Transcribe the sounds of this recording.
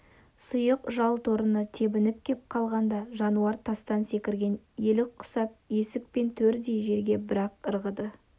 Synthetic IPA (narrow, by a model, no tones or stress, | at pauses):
sʊjəqʒɑlˠt̪ʰoɾənət̪ʰe̞bɪnɪp̚kʲʰe̞p̚qʰɑlˠʁɑnd̪ɑʒɑnuɑɾt̪ʰɑst̪ɑnse̞kʲɪɾɡʲe̞n | jelɪk̚qʰʊ̥sɑp̚je̞sɪk̚pe̞nt̪ʰɵɾd̪ejʒe̞ɾɡʲe̞bɪɾɑqəɾʁəd̪ə